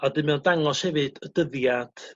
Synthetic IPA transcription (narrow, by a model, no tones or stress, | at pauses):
adɨmɛndaŋɔshɛvɨd̥əd̥əðjad̥